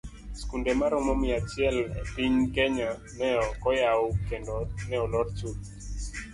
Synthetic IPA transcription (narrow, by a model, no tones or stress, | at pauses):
skundemaɾɔmɔmɪat͡ʃɪɛlɛ̰piɲkɛɲa | nɛɔkɔjaokendɔnɛɔlɔɾt͡ʃut